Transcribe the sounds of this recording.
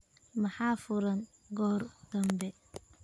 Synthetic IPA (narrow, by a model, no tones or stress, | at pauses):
maħaːfʊɾɐn | ɡɔːɾd̪̥ɐmbɛ